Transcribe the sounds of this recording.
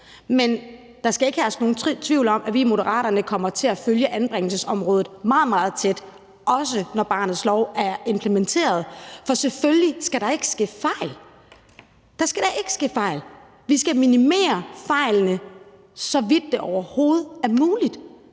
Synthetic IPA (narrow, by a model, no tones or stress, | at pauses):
men | d̥ɑ̈sɡ̥æe̝ɡ̥hæːsno̝ːn̩t͡sʰʋiʊ̰lɒ̽m̰ʔæʋimo̝ɾəʁɑ̰̈ːɾɐnəkʰɒ̽m̰ɐt͡sʰe̝æføljəʔænb̥ʁɛŋ̰l̩səsɒ̽mʁɔ̽ːð̞̩ˠmɑ̈ːð̞̩ˠmɑ̈ːð̞̩ˠt͡sʰed̥ | ʔɒ̽s̬ənɒb̥ɑ̈ːnð̩ˠslɒʊæɐe̝mpʰlement͡sʰe̝̰ːɐð̞ˠfɒ̽seføljisɡ̥æɾɑ̈e̝ɡ̥ə̥sɡ̥ḛːfɑ̈ɪ̰l | d̥ɑ̈sɡ̥æɾ̥ɑ̈ʔe̝ɡ̥ə̥sɡ̥e̝̰ːfɑ̈ɪ̰l | ʋisɡ̥æminime̝̰ːɐfɑ̈ɪ̰lnə | sɒ̽ʋid̥ːe̝ʔɒʊɐho̝ːð̞̩ˠæɐmuːlid̥